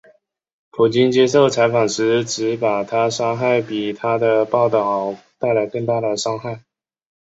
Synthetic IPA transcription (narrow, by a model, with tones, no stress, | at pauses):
pʰu˨˩t͡ɕi˥nt͡ɕjɛ˥ʂo˥˩ʊt͡sʰa˧˥ɪfɑ˨˩ŋʂɻ̩˧˥ʈ͡ʂɻ̩˧˥pa˨˩t̪ʰa˥ʂɑ˥ŋxa˥˩ɪpi˨˩t̪ʰa˥d̪ə˨pɑ˥˧ʊt̪ɑ˥˩ʊt̪a˥˩ɪla˧˥ɪkɤ˥˧ŋt̪a˥˩d̪ə˩ʂɑ˥ŋxa˥˩ɪ